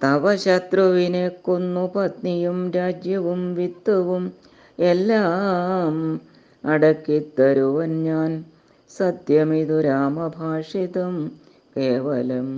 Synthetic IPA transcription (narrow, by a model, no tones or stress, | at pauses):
t̪ɐʋɐɕɐt̪rɐʋinekːonːupɐt̪nijumɾaːd͡ʑjɐʋumʋid̪ːɐʋum | elːaːm | ɐɽɐkːit̪ːɐɾuʋɐnɲaːn | sɐd̪jɐmiðuɾaːmɐbʱaːʂiðɐm | keːʋɐlɐm